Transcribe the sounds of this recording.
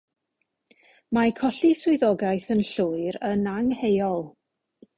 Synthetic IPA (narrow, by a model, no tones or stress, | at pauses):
makʰɔɬiswʊɨðɔɡajθənɬʊːɨɾənaŋhejɔlˠ